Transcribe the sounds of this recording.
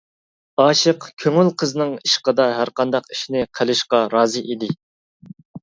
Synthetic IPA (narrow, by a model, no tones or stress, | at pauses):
ɑːʃəqkʲʰøŋylqʰəznɨŋiʃqəd̪ɑɦæɾqɑnd̪ɑqiʃnɪqʰəlɪʃqɑɾɑːzɨʔid̪ɪ